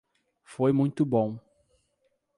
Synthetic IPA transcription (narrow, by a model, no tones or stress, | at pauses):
fojmũj̃t̪ʊbõw̃